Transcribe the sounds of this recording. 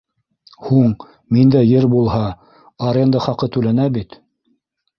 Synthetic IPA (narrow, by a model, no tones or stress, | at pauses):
huɴ | mind̪æjɘɾbulˠhɑ | ɐɾʲend̪əχɑqɤt̪ʉlænæbit̪